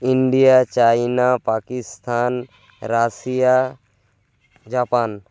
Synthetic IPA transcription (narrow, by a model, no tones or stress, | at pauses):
ɪɳɖijat͡ʃainapaːkist̪ʰaːn | ɾasija | d͡ʒaːpaːn